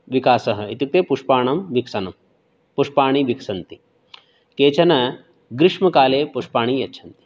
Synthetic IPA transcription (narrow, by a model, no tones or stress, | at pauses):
ʋikaːsɐɦɐit̪uk̚t̪epuʂpaːɳɐmʋiksɐnɐm | puʂpaːɳ̃iʋiksɐnt̪i | keːt͡ɕɐnɐ | ɡɾɪʂmɐkaːleːpuʂpaːɳ̃iːjɐtːt͡ʃʰɐnt̪i̥